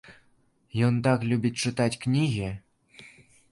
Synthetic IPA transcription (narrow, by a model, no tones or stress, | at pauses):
jont̪ɑklʲubʲit̚ʲt͡ʂɨt̪ɑtʲknʲiɣʲi